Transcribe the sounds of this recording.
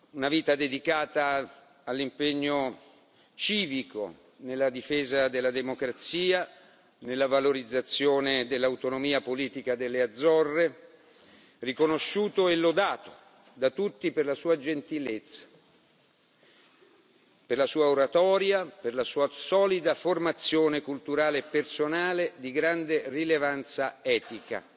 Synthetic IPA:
unaviːt̪ad̪ed̪ikaːt̪aː | lːimpeɲːo | t͡ʃiːviko̰ | nelːad̪ifeːzad̪elːad̪emokɾat̪siːa | nelːavaloɾid̪zːat̪sjoːned̪elːawt̪onomiːapoliːt̪ikad̪elːead̪zːɔrːe | rikonoʃːuːt̪oelːod̪aːt̪o̥ | d̪at̪ut̪ːiperlasuːad͡ʒent̪ilet̪sːḁ | perlasuːaoɾat̪ɔːɾjaperlasuːasɔːlid̪aformat̪sjoːnekult̪uɾaːleːpːersonaːled̪iɡɾand̪erilevant̪saɛːt̪ika̰

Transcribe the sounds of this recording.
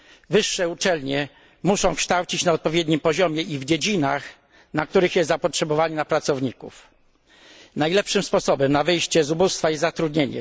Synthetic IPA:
vɘʂːɛut͡ʂɛlɲɛ | muʂɔ̃w̃kʂt̪awt͡ɕit͡ɕnaɔt̪̚pɔvʲjɛd̪ɲimpɔʑɔmʲjɛʔivd͡ʑed͡ʑinax | nakt̪uɾɘxjɛst̪zapɔtʂɛbɔvaɲinapɾat̪sɔvɲikṵf | najlɛpʂɘmspɔsɔbɛmnavɘjɕt͡ɕɛzubust̪faizzat̪ɾud̪ɲeɲɛ̰

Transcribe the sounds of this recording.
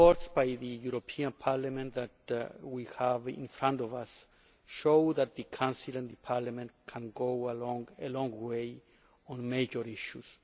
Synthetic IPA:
ɔɹtsb̥ajðɨjuɾopʰiãnpʰaɹlamɛ̃nðæt̚wihævɪ̰̃nfɹãntɔvas | ʃoʊðæt̪̚ðɨkʰãnsilãnðɨpʰaɹlamɛ̃nkʰæ̃nɡoʊalɔ̃ŋəlɔ̃ŋɡweɪ | ɔ̃nmed͡ʒəɾiʃus

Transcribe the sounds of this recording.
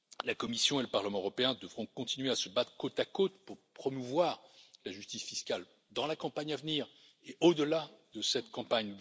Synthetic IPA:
lakɔmisjɔ̃eləpaʁləmɑ̃øʁɔpeɛ̃d̪əvʁɔ̃kɔ̃t̪inɥeasəbat̪χə̥kot̪akot̪puʁpχɔmuvwaːʁlaʒyst̪isfiskʲal | d̪ɑ̃lakɑ̃paɲavniːʁ | eʔod̪əlad̪əsɛt̪kɑ̃paɲ

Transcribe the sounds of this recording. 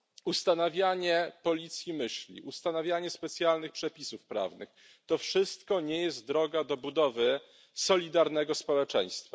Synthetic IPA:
ust̪anavʲjaɲɛpɔlʲit̪sʲjimɘɕlʲḭʔust̪anavʲjaɲɛspɛt̪sʲjalnɘxpʂɛpʲisufpɾa̰vnɘ̰x | t̪ɔfʂɘst̪kɔɲɛjɛst̪̚d̪ɾɔɡad̪ɔbud̪ɔvɘ | sɔlʲid̪aɾnɛɡɔspɔwɛt͡ʂɛ̰j̃st̪fa

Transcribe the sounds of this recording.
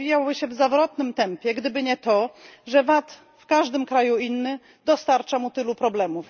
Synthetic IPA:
ijawbɘɕɛvzavɾɔt̪nɘmt̪ɛmpʲjɛɡd̪ɘbɘɲɛt̪ɔʐɛvat̪ | fkaʐd̪ɘmkɾajuinːɘ | d̪ɔst̪aɾt͡ʂamut̪ɘlupɾɔblɛmuf

